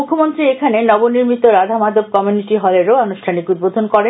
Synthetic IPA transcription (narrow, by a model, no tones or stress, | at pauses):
ukʰːomont̪ɾiekʰanenɔboniɾmit̪oɾad̪ʱamad̪ob̚kɔmjuniʈiɦɔleɾoɔnuʃʈʰanikud̪̚bod̪ʱonkɔɾe